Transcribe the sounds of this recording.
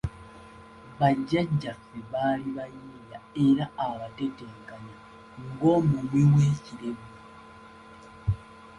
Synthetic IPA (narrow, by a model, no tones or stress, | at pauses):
βaɟːaɟːafːe̞βaːliβajiːjae̞ɾaaβate̞teːŋkaɲa | ŋɡo̞ːmumwiweːciɾe̞βu